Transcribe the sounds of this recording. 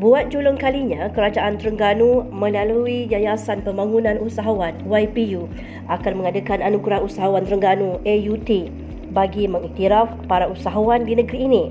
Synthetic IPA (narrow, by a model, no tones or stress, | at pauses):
buat̪̚d͡ʒulʊŋkaliɲãkəɾad͡ʒaʔant̪ɾəŋɡanumə̃laluid͡ʒajasanpəmbaŋunãnusaɦawanwajpiju | ʔakanmə̃ŋadakananuɡɾahusaɦawant̪ɾəŋɡanuʔejut̪i | baɡimə̃ŋit̪iɾafpaɾausaɦawandinəɡɾiːnĩ